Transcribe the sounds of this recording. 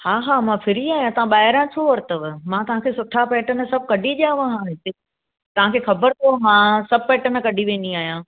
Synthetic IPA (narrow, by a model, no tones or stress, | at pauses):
haːɦaːmãfʰɪɾiaːɦjãt̪ɐʋ̤ãɓaːɦɪɾãt̪ʰoʋɐɾt̪əʋmãt̪ɐʋɦãkʰeːsʊʈʰapɛːʈənə̆sɐb̚kɐɖʱiʄjãːʋɐ̃ɦãɦɪt̪e | t̪ɐʋ̤ãkʰeːxɐbəɾt̪ʰomãːsɐb̚pɛːʈən̆kɐɖʱiʋẽːniaːɦijãː